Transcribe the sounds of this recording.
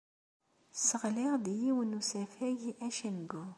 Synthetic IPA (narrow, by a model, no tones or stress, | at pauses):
səʁlɪʁd̪jiwənusæfæʝʔæʃənɡu